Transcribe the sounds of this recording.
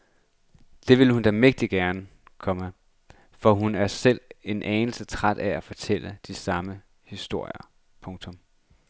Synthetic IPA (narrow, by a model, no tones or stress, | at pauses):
d̥e̝ʋe̝ləhund̥æmeɡ̥̚d̥iɡ̥æɐnəkʰɒ̽mə | fɒ̽ɦunæɐsel̰e̝nʔɛːnl̩sət͡sʰʁad̥ææfɒ̽t͡sʰel̰əd̥isɑ̈mə | hisd̥o̝ɐ̰jɐ | pʰɔ̽ŋt͡sʰɔ̽m